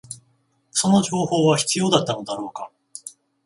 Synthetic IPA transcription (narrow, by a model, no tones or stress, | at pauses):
so̞no̞ʑo̞ːho̞ːβaçi̥t͡sɨjo̞ːd̪at̪ːano̞d̪aɾo̞ːka